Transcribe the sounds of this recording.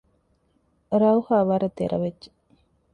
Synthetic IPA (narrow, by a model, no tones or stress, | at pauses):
ɾɐuhaːʋaɾɐt̪ḛɾʔɐ̰ʋeːe̥